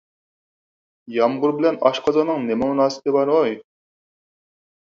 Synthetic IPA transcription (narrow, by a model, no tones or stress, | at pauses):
jɑmʁʊɾbɪlɛnɑʃqʰɑzɑnɨŋnemɛmunɑːsɪ̥pɪbɑɾoj